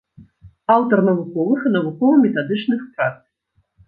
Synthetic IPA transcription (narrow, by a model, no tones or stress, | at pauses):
awt̪ɐrnɐvukɔvɨxnɐvukɔvɐmʲɛt̪ad̪ɨt͡ʂnɨxt̪rak̚t̪